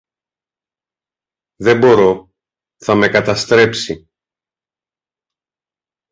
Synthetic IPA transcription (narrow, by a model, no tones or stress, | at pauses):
ðe̞bo̞ɾo̞ | θɐme̞kɐt̪ɐst̪ɾe̞psi